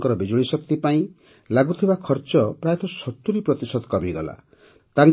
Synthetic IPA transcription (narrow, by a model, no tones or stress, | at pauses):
kɔɾɔbed͡ʒoɭ̃isɔkt̪ipaĩ | laɡut̪ʰibakʰɔɾt͡ʃɔpɾajat̪ʰɔsɔt̪ːuɾipɾɔt̪isɔd̪kɔmiɡɔla̰ | t̪aŋ